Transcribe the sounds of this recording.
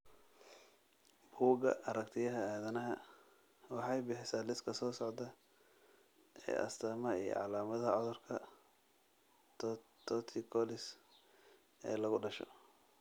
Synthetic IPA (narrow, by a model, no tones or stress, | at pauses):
b̥uːɡɐ̰ʔɐɾɐkt̪ʰɪjɐɦɐaːðɐnɐɦɐ | wɑħɑjbɪħɪsaːlɪskʰɐsɔːsɔʕd̪ɐ | ɛ̰ːʔɐ̰st̪ʰaːmɐḭjɔ̰ʕɑlaːmɐðɐʕɔðʊrkʰɐ | t̪ʰɔt̪ʰikʰɔlɪs | ɛ̰ːlɐɣʊɖɐʃɔ̰